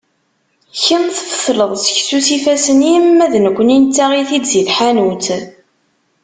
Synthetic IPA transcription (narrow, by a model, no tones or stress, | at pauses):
çənθəfə̥θləðˤsə̥çsusifæsənimːæðnəkʷːənint̪ːaʁiθid̪ziθħanut͡s